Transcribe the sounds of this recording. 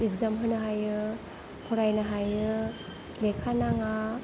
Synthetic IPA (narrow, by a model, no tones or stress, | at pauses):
ekzamɦɯnɯɦajɯ | pʰɔɾajnaɦajɯ | lekʰanaŋa